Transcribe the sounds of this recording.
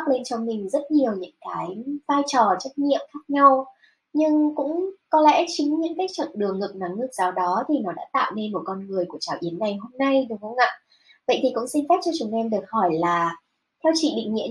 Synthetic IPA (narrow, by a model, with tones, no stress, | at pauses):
k̚le˧nt͡ɕɔ˧wŋ͡mmï˨˩ŋ̟zə˦˥t̚ɲi˨˩əwɲɨ̰˧˥ŋkaː˨˦jvaː˧jt͡ɕɔ˨˩t͡ɕə˦˥t̚ɲḭ˧˨əmxaː˦˥k̚ɲa˧w | ɲɨ˧ŋkʊ̰˧˥ŋ͡mkɔ˨˦lɛ̰˧˥t͡ɕɨ˨˦ŋɲɨ̰˧˥ŋkaː˨˦j̚t͡ɕə̰˧˨nɗɨ˨˩əŋŋə˨˩na˨˦ŋlɨ˧˩zaː˨˩wɗɔ˨˦t̪ʰi˨˩nɔ˨˦ɗa̰ː˧˥t̪a̰ː˧˨wne˧nmo˨˩t̚kɔ˧nŋɨ˨˩əjku˧˩ət͡ɕaː˧˩wʔi˨˦ənːa˨˩jɦo˧mna˧jɗɨ˨˩əŋ̚hə˧wŋ͡mʔa̰ː˧˨ | və̰˧˨jt̪ʰi˨˩kʊ̰˧˥ŋ͡msi˧ŋ̟faː˦˥t̚t͡ɕɔ˧t͡ɕu˨˧˩ʔɛ˧mɗɨ˨˩ək̚hɔ˧˩jlaː˨˩ | t̪ʰɛ˧wt͡ɕḭ˧˨ɗḭ˧˨ŋ̟ŋḭ˧ə